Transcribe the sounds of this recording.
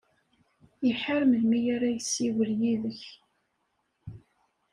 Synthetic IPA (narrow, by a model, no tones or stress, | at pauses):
jəħaɾməlmijaɾajəsːiwəljiðəç